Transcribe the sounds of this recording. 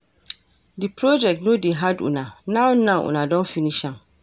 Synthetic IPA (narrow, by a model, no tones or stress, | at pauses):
dipʰɾɔd͡ʒɛk̚tnõdeɦadṵnãnãwnãʔṵnãdɔ̃nfinĩʃãŋ